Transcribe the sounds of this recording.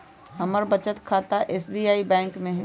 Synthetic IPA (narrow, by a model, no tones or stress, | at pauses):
ɦɐməɾbɐt͡ʃət̪kʰaːt̪aʔeːsbiːaːibɛ̃ːŋkmẽɦ